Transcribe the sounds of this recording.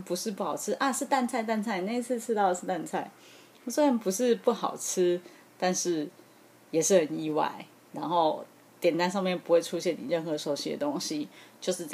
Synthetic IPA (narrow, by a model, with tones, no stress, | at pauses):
pu˧˥ʂɻ̩˥˧pu˥˩xɑ˨˩ʊt͡sʰɻ̩˥ʔa˥˧ʂɻ̩˥˧t̪a˥˧nt͡sʰa˥˧ɪt̪̬a˥˧nt͡sʰa˥˧ɪne˥˧ɪi˥t͡sʰɹ̩˥˧t͡sʰɻ̩˥t̪ɑ˥˩ʊdə˨˩ʂɻ̩˥˩t̪a˥˧nt͡sʰa˥˩ɪ˥˩ | swɔ˥a˨˩npu˧˥ʂɻ̩˥˧pu˥˩xɑ˨˩ʊt͡s̩ʰ˥ | t̪a˥˧nʂɻ̩˥˩ | jɛ˨˩ʂɻ̩˥˩xə˨˩ni˧wa̰˥˩ɪ | ɻa˧˥nxo˥˧ʊ | t̪jɛ˨˩nt̪a˥˧nʂ̬ɑ˥˧ŋmjnpu˧˥xwe˥˩ɪʈ͡ʂʰu˥ɕjɛ˥˩ni˨˩ɻə˥˩nxɤ˧˦ʂo˧˩ʊɕi˧˥d̪ə̰˩t̪o˥ŋɕi˨t͡ɕjo˥˧ʊʂɻ̩˥˧˩